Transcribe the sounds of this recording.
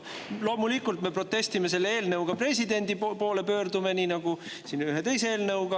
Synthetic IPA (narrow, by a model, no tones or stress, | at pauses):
lo̞ːmulikːult̪me̞pro̞t̪ːe̞st̪ime̞s̬e̞lːee̞ːlnɤwɡ̥ɑpre̞s̬ʲid̪e̞nʲd̪̥ipo̞ːle̞pø̞ːrd̪ume̞niːnɑɡ̥u | sinyɦet̪e̞jse̞eːlnɤwɡ̥ɑ